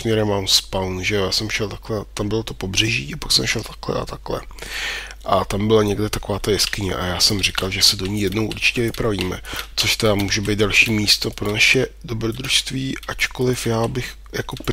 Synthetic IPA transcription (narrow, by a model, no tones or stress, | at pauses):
mɲɛɾɛmamspawnʒɛjojaːsɛmʃɛlt̪aklɛt̪ambɪlot̪o̞pobr̝ɛʒḭːapaksɛmʃɛlt̪ḁklɛ̰ʔa̰t̪aklɛ̰ | ʔat̪ambɪlaɲɛɡdɛt̪ako̞vaːt̪ajɛskɪɲɛ̰ʔa̰jaːsɛmrɪkalʒɛsɛdo̞ɲijɛdno̞wʔṵɾt͡ʃɪ̥cɛvɪpɾaviːmɛ̰t͡so̞ʃt̪ɛdamuːʒɛbejt̪̚dalʃiːmiːst̪o̞pɾo̞naʃɛdo̞bɾo̞d̪ɾuʃst̪viːʔat͡ʃko̞lɪfjaːbɪx | jakop